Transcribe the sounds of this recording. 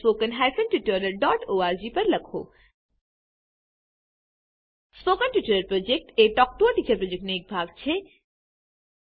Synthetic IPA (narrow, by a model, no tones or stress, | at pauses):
pokənɦajfənʈuʈəɾəɾɖɔʈoːaɾd͡ʑipɐɾlɐkʰo̰ː | spokənʈjuʈəɾəɾpɾod͡ʑek̚ʈeʈɔk̚ʈoaʈiːt͡ɕɐɾpɾod͡ʑek̚ʈneeːk̚bʱaɡt͡ɕʰe